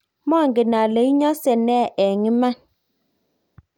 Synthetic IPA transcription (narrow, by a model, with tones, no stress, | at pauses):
mɔ˦˨ŋɡɪ˨na˨le˨˦i˦ɲɔ˦sɛ˨nɛ˦˨ʔɛ˨ŋɪ˦ma˦